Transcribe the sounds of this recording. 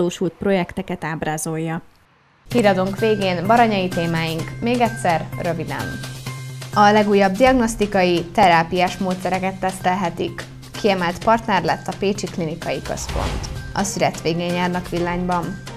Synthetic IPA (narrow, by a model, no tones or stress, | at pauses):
oːʃult̪̚pro̞jɛkt̪ɛkɛt̪aːbɾaːzo̞jːɒ | hiːɾɒd̪o̞ŋkʋeːɡeːnbɒɾɒɲɒit̪eːmaːjiŋkmeːɡɛt̪ʲsɛrrø̞vid̪ɛ̰n | ɒlɛɡuːjːɒb̚d̪iɒɡno̞st̪ikɒjit̪ɛɾaːpijaːʃmoːt̪sɛɾɛkɛt̪ːɛst̪ɛlɦɛt̪ikː | iɛmɛlt̪pɒrt̪nɛrlɛt̪ʰːɒpeːt͡ʃiklinikɒjikø̰spo̰nt̪ɒ̰syɾɛt̪ʋeːɡeːɲjaːrnɒkʋilːaːɲbɒn